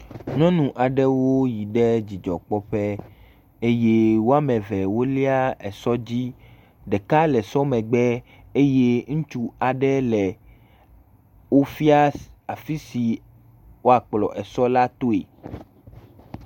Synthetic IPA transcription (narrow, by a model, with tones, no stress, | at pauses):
nɔ̃˦nũ˨ʔa˨ɖɛ˦wo˦ji˨ɖɛ˦d͡ʑi˨d͡ʒɔ̰˨k͡pɔ˦ɸɛ˦ | e˦je˦wo˦a˦mɛ̃˨vɛ˨wo˦li˦a˦ɛ˨sɔ˦d͡ʑi˦ | ɖɛ˨ka˦lɛ˨sɔ˦mɛ̃˨ɡ͡bɛ˦ | e˦je˦ŋũ˦t͡ʃu˦a˨ɖɛ˦lɛ˨ | wo˦fi˦a˦a˨fi˦si˨ | wo˦a˨k͡plɔ̰˨ʔɛ˨sɔ˦la˦t̪o˦ḛ˨